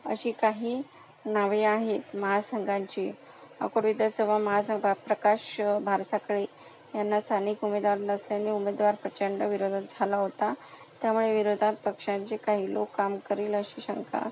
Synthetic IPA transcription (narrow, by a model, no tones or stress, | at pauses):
ə̰ɕiːkaɦiː | naʋiaɦet̪məɦasəŋɡãɲt͡ɕiː | ə̰koɽʋid̪jat͡səʋaməɦasəŋɡapɾəkaɕbʱaɾsakɭe | janːast̪ʰaniːkumed̪ʋaɾnəsljaneumed̪ʋaɾpɾət͡ɕəɳɖəʋiɾod̪ʱat̪̚d͡zʱalaɦot̪a | t̪jamuɭeʋiɾod̪ʱat̪̚pəkʂãɲt͡sekaɦiːlokːamkəɾiːləɕiːɕəŋkʰa̰